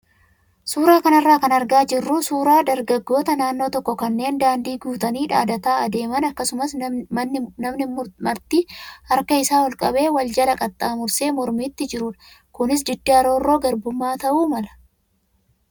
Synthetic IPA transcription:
suːɾaːkɐnɐrːaːkɐnɐɾɡaːd͡ʒɪrːʊsuːɾaːd̪ɐɾɡɐɡːo̞ːt̪ɐnaːnːo̞ːt̪ɔkːɔkɐnːe̞ːnd̪aːnd̪iːɡuːt̪ɐniːᶑa̰ːd̪ɐt̪aːɐd̪e̞ːmɐnɐkːɐsʊmɐsnːnɐmnɪmɐɾt̪iːhɐɾkɐɪsaːwɔlkʼɐbe̞ːwɐld͡ʒɐlɐkʼɐt̪ʼːaːmʊɾse̞ːmɔɾmiːt̪ːɪd͡ʒɪɾʊːᶑɐ̥ | kʊnɪs̬d̪ɪd̪ːaɐɾo̞ːrːo̞ːɡɐɾbʊmːaːt̪ɐʔuːmɐlɐ̥

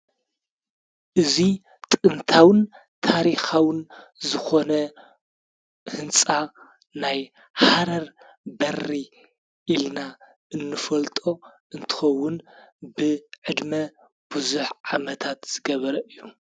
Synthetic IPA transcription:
ʔɨzi | t̪ʼɨnt̪ʰawɨn | t̪ʰaɾixawɨn | zɨxo̞nɐ | hɨnt͡sʼa | naj | ħaɾɐɾ | bɐrːi | ʔilna | ʔɨnːɨfɐlt̪ʼo̞ʔɨnt̪ʰɨ̥xɐwːʊnbɨʕɨd̪mɐ | b̥ɨzuħʕamɐt̪ʰat̪z̥ɨɡɐβɐɾɐʔɨjːu

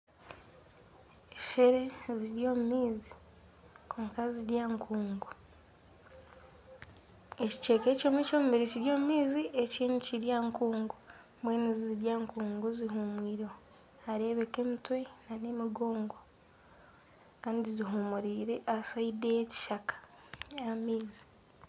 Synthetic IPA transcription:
eʃeɾe̞ziɾjo̞ːmumiːzi̥ | kʰuːŋkaziɾjaːŋkʰuːŋɡu | eci̥t͡ʃe̞ːke̞ːcoːmwecoːmubeɾeciɾjo̞ːmumiːzieciːniciɾjaːŋkuːŋɡu | mbweːniziziɾjaːŋkuːŋɡuziɦumwiːɾo | aɾe̞βeke̞ːmitwe̞nanemiɡo̞ːŋɡo | kaːndiziɦumuɾiːɾe̞ʔasaidejeci̥ʃakḁ | jamiːzi̥

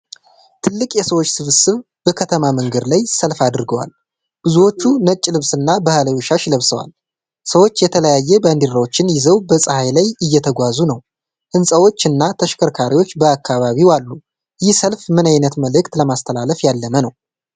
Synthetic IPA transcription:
t̪ʰɨlːɨkʼjɛsəwot͡ʃːsɨβɨsɨβ | b̥əkʰət̪ʰəmaməŋɡəd̪lajsəlfad̪ɨɾɨɡəwa̰l | b̥ɨzuwo̞t͡ʃːunət͡ʃʼːlɨβsɨnːabahələjoʃaʃləβsəwa̰l | səwo̞t͡ʃːjɛt̪ʰələjajːɛbənd̪iɾawot͡ʃːɪnjɪzəwbəsʼɨhajlajɨjːɛt̪ʰəɡʷazunəw | ʔɨnsʼəwo̞t͡ʃːɨnːat̪ʰəʃkʰəɾkʰaɾiwo̞t͡ʃːbəakʰːaβaβiwalːu | jɪhsəlfmɨnajnət̪məlɨkt̪ləmast̪ʰəlaləfjalːəmənəw

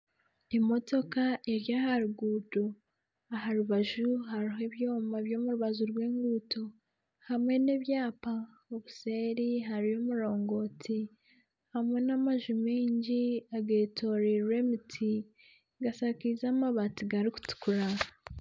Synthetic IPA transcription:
imo̞to̞kaʔeɾjaːhaɾuɡuːdo | ahaɾuβaʒuhaɾiɦe̞βjo̞ːmaβjo̞ːmuɾuβaʒuɾɡweːŋɡuːto | hamwe̞neβjaːpa | oβuse̞ːɾiɦaɾijo̞muɾo̞ːŋɡo̞ːti | hamŋe̞namaʒumiːɲɟiaɡeːtʰo̞ɾiɾwe̞mutʰi | ɡasakizamaβatiɡaɾiku̥tu̥kuɾa

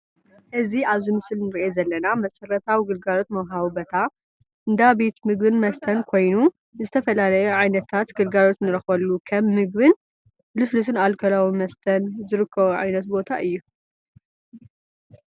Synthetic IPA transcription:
ʔɨziaβzɨmɨsɨlnɨɾʔezɐlːɐnamɐsɐrːɐt̪ʰawiɡɨlɡalo̞t̪mɐwɦaβbɐt̪ʰa | ʔɨnd̪abe̞t̪mɨɡbɨnmɐst̪ʰɐnkʰo̞jnu | zɨt̪ʰɐfɐlalɐjɛʕajnɐt̪ʰːat̪ɡɨlɡalo̞t̪nɨɾɐxbɐlːukʰɐmːɨɡ̚bɨn | lɨslus̬ɨnalkʰɐlawimɐst̪ʰɐnzɨɾɨkʰːɐβuʕa̰jnɐt̪bo̞t̪ʰaʔɨjːu

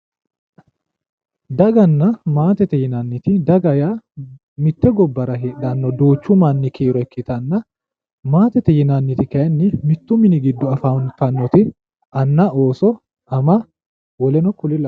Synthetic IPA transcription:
d̪ɐɡɐnːɐmaːt̪ɛt̪ɛjɪnanːɪt̪ɪd̪ɐɡɐjaː | mɪt̪ːɛɡɔbːɐɾɐɦeːɗanːɔd̪oːt͡ʃːʊmanːɪkʰeːɾɔɛkʰːɪt̪ɐnːɐ | maːt̪ɛt̪ɛjɪnanːɪt̪ɪkɐɐnːɪmɪt̪ːʊmɪnɪɡɪd̪ːɔɐfant̪ɐnːɔt̪ɪ | ʔɐnːɐo̞ːsɔ | ɐmɐ | wɔlɛnɔkʊlɪlɐ

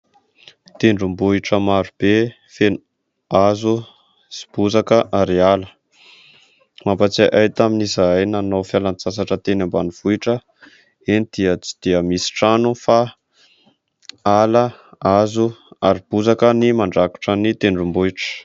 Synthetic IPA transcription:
t̪eɳɖ͡ʐumbuiʈ͡ʂəmaɾub̥e | fenu | azu | si̥b̥uzakəʔaɾialə | mampat͡saʔajt̪aminizajnanowfjalant͡sas̬aʈ͡ʂət̪enambaniv̥uiʈ͡ʂə | enid̪̥iət͡si̥d̪̥iəmisi̥ʈ͡ʂanufa | aləazuaɾib̥uzakənimaɳɖ͡ʐaku̥ʈ͡ʂənit̪eɳɖ͡ʐumbuiʈ͡ʂə̥

